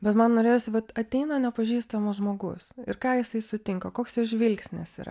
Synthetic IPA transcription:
bʲɛt̪mɐnnoːɾʲeːjoːsʲɪʋɐt̪ɐt̪ʲɛɪnɐnʲɛpɐʒʲiːst̪ɐmʊʒmoːɡʊ̰sɪ̰ɾkɑːjɪsɐɪsʊt̪ʲɪŋkɐkoːksjʊʒʲʋʲɪlʲksʲnʲɛ̰siːɾɐ̰

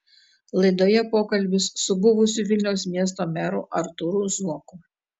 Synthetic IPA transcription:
lˠɐɪd̪oːjɛpoːkɐlʲbʲɪsːʊbʊʋʊsʲuʋʲɪlʲnʲɛʊs̬mʲiɛs̬t̪oːmʲɛɾṵːʔɐɾt̪ʊɾuzuɔkʊ

